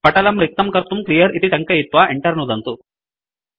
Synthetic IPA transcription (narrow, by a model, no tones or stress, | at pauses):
pɐʈɐlɐmɾik̚t̪ɐmkɐɾt̪umklijɐɾit̪iʈɐŋkɐit̪ʋaʔeɳʈɐɾnud̪ɐnt̪u